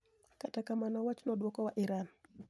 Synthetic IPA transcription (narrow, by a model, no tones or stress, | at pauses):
katakamanɔwat͡ʃnɔdwɔkɔwaʔiɾan